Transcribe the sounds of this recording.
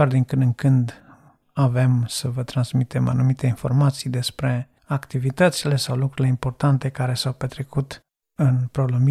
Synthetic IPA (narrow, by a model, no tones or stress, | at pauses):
ard̪iŋkɨnɨŋkɨnd̪ | ave̞msəvət̪ɾansmit̪e̞ma̰numit̪e̞info̞̰rmat̪sijd̪e̞spɾe̞ | akt̪ivit̪ət̪sile̞sawlukɾuɾile̞impo̞rt̪ant̪e̞kaɾe̞sawpe̞t̪ɾe̞kut̪ | ɨnpɾo̞lumi